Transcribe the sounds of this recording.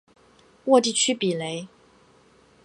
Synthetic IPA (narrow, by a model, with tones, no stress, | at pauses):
wɔ˥˧t̪̬i˥˨t͡ɕʰy˥pi˨˩le˨˦ɪ